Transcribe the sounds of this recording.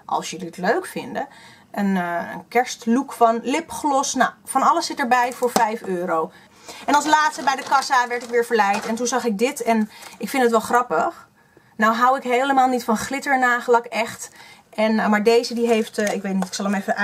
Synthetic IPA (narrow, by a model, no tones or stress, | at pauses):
ʔɑ̰lˠsjəliətløɥkfɪndə | ʔənə̰nkɛɹstlukfɑnlɪpχlɔsnawfɑnɑləsːɪtəɹbɛjvʊːɹvɛjføːɾow | ʔɛnɑlˠslaːtstəbɛjdəkɑsaʋɛɹtɪkʋɪːɹvəɹlɛjtɛntunzɑχɪɡ̚dɪtɛnɪkfɪntətʋɛlˠχrɑpəχ | nawɦawɪkɦejləmaːlˠnitfɑnχlɪtəɹnaːχəlɑkɛχtʔɛnmaːɹdejzədiɦejftɪkʋejt̚nitɪksɑlˠəmefəa